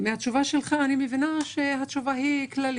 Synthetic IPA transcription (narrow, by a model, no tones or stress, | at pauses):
mehat̪ʃuvaʃelχaːnimevinaʃeɦat̪ʃuvahiklal